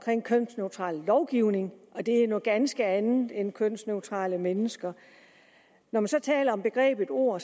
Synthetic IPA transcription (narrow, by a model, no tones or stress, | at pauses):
kʰʁeŋ̰kʰøn̰sneʊt͡sʰʁɑ̰̈ːlːɒʊɡ̥iʊne̝ŋʔɒ̽d̥e̝ænɔ̽ðˠɡ̥ænsɡ̥əænð̩ˠenkʰøn̰sneʊt͡sʰʁɑ̰̈ːləmenəsɡ̥ɐ | nɒmænsɒ̽t͡sʰɛ̰ːlɐɒ̽mb̥e̝ɡ̥ʁɛ̰ːb̥ed̥o̝ɐ̰